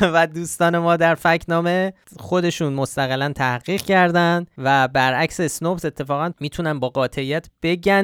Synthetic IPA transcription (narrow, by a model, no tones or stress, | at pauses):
væd̪uːst̪ɒːne̞mɒːd̪æɾfæcʰnɒːme̞ | xo̞d̪e̞ʃuːnmost̪æɣelænt̪ʰæhɢiːʁ̥cʰæɾd̪ænd̪væbæɾʔæcsesnopse̞t̪ʰːe̞fɒːɣænmiːt̪ʰunænbɒːɢɒːt̪ʰeijæt̪ʰb̥e̞ɟæ